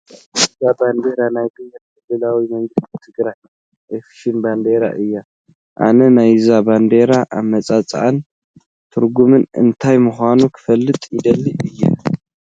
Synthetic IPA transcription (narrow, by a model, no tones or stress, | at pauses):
zaband̪e̞ɾanajd̪ɨmɡɨtkʰɨlːɨlawimɐŋɡɨst̪it̪ʰɨɡɾaj | ʔofi̥ʃinband̪e̞ɾa̰ʔɨjːa | ʔa̰nɐnajzaband̪e̞ɾaʔa̰βmɐt͡sʼat͡sʼʔan | t̪ʰɨɾɡumɨnɨ̰nt̪ʰajmuxʷanukʰɨ̥fɐlːɨt̪ʼjɪd̪ɐlːiʔɨjːa̰